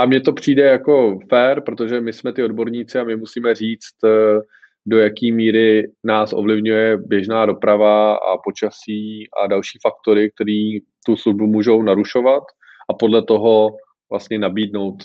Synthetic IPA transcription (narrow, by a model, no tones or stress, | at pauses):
ʔamɲɛt̪o̞pr̝̥iːdɛjako̞fɛːɾpɾo̞t̪oʒɛmɪsmɛt̪ɪo̞dbo̞ɾɲiːt͡sɪamɪmusiːmɛriːt͡st̪ | do̞jakiːmiːɾɪnaːsʔo̞̰vlɪvɲujɛbjɛʒnaːdo̞pɾavaa̰po̞t͡ʃasiːʔa̰dalʃiːfakt̪o̞ɾɪk̚t̪ɛɾiːt̪usluʒbumuːʒo̞wnaɾuʃo̞vat̪ | ʔapo̞dlɛt̪o̞ɦo̞ | vla̰st̪ɲɛnabiːdno̞wt̪